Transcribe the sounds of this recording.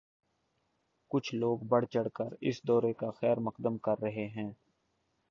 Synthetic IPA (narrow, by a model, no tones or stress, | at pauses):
kʊt͡ʃʰloːɡbəɽ̤t͡ʃəɽkəɾɪ̰sd̪ɔːɾekaxɛːɾməqd̪əmkɐɾːɐɦeɦɛ̃ː